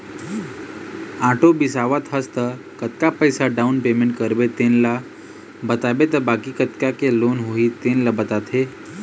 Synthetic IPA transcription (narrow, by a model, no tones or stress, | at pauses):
aʈobisaʋət̪ɦəst̪ə | kət̪kapəjsaɖaunpemẽɳʈkəɾbet̪enla | bət̪abet̪əbakikət̪kakelonɦoɦit̪ẽnlabət̪at̪ʰe